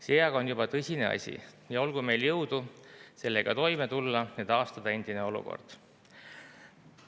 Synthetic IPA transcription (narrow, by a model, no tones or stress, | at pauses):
seɑɡ̥ɑonjubɑt̪ɤsʲine̞ɑ̰sʲḭ | jɑo̞lɡ̥ume̞jljɤwd̪̥use̞lːe̞ɡ̥ɑt̪o̞jmet̪ulːɑet̪ɑːst̪ɑd̪̥ɑe̞nd̪̥ineo̞lṵko̰rd̪̥